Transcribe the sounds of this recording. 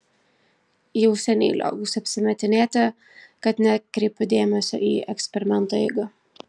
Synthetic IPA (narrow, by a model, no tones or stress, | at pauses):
jɛʊsʲɛnʲɛ̰ːlʲo̰ːbʊsɐpʲsʲɪmʲɛt̪ʲɪnʲeːt̪ʲɛ | kɐt̪nʲɛkɾʲɛɪpʲʊd̪ʲeːmʲɛsʲo̰ːʔiːɛksʲpʲɛɾʲɪmʲɛnˑt̪oːɛ̰ɪɡɐ